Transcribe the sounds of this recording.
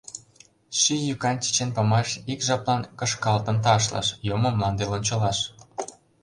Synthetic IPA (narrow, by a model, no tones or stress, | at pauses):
ʃijykɑnt͡ɕi̥t͡ɕenpɑmɑʃikʒɑplɑnkə̆ʃkɑlt̪ənt̪̬ɑʃ̬lɑ̰ʃjomŏmːɑnd̪elonʲt͡ɕɤ̆lɑʃ